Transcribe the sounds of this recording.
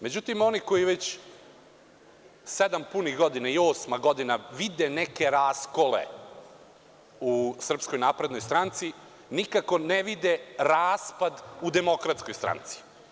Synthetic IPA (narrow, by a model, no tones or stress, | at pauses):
me̞d͡ʑut̪imo̞niko̞jiʋet͡ɕ | sed̪ampuniɣɡo̞d̪inaioːsmaɡo̞d̪inaʋid̪eneke̞ɾaːskolḛ | usr̩psko̞jnaːpɾe̞d̪no̞jst̪ɾant̪si | nikako̞neʋid̪eɾaːspad̪ud̪emo̞kɾat̪skojst̪ɾa̰ːnt̪si̥